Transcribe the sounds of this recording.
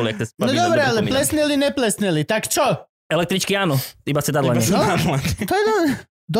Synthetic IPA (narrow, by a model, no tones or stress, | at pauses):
ljek̚t̪esnod̪obɾaliplesnelineplesnelit̪akt͡ʃo | elek̚t̪ɾit͡ʃkianoimased̪ad̪lˠaɲeoamlad̪t̪ojed̪o | d̪